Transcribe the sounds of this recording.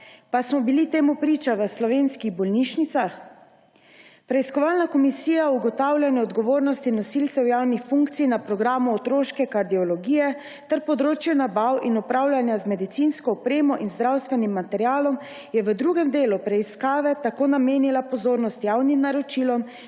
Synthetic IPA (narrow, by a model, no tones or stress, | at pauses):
pasmɔbilit̪eːmupɾiːt͡ʃaʋəslɔʋeːnskiɣbɔlniʃnit̪sax | pɾɛiskɔʋaːlnakɔmisiːjauɡɔt̪awlʲjanjɛɔd̪ɡɔʋoːɾnɔst̪inɔsilt̪sɛwjawnixfuŋkt̪sijnapɾɔɡɾaːmuɔt̪ɾoːʃkɛkaɾd̪iɔlɔɡiːjɛ | t̪ɛɾpɔd̪ɾoːt͡ʃjunabawinupɾawlʲjanjazmɛd̪it̪sinskɔːpɾeːmɔʔinzd̪ɾawst̪ʋɛnimːat̪ɛɾjaːlɔm | jɛʋəd̪ɾuɡɛmd̪eːlupɾɛiskaːʋɛt̪akoːnameːnilapɔzoːɾnɔst̪jawnimnaɾɔt͡ʃiːlɔm